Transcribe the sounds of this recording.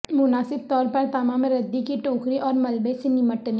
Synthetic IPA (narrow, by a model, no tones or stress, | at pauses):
mʊnaːsɪb̚t̪ɔːɾpɐɾt̪ɐmaːmɾɐd̪ːikiʈoːkɾiʔɔːɾmɐlbesenɪməʈne